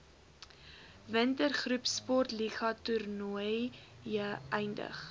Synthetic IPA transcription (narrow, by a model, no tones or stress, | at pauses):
vəntərχrʉpspɔrtliχɐturnuəj | jəɛjndə̰χ